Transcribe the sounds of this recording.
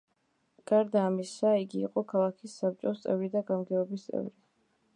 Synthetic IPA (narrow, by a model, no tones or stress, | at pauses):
ɡ̥aɾd̪aːmisaiɡḭːqʼɔkʰalˠakʰisːap̚t͡ʃʼɔst̪sʼɛvɾid̪aɡamɡɛɔbist̪sʼɛ̰vɾi